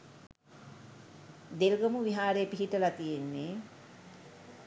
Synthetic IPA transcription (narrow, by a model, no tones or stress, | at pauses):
d̪elɡəmuʋiɦaːɾeəpiɦiʈəlat̪ijenːe